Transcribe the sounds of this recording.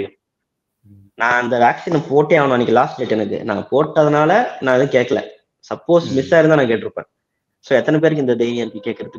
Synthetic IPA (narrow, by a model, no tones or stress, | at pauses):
nãːɪnd̪ɐʋaːksɪnɐmpoːʈːeːaʋɐɳʊ̃ɛɐnːɪkːɯlaːsʈeːʈːɛnːɯkːɯ̰nã̰ːpoːʈːɐðɐnaːlɐnãːɪðɐ̃ːkeːʈkːɐɭɛ̰̃ː | sɐpːoːsmɪsaːɪɾɯnd̪aːnãːkeːʈːɪɾɯpːḛ̃ː | soːɛt̪ːɐnɛp̬eːɾɯk̬ːɪnd̪ɐɖ̪eɪnɪjɐɾkːɯkeːʈkːɪɾɐðɯkː